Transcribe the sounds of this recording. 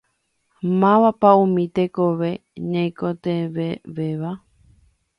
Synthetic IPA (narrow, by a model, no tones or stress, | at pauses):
mãʋapaũmĩt̪ekoʋeɲãj̃kot̪eʋeʋeʋa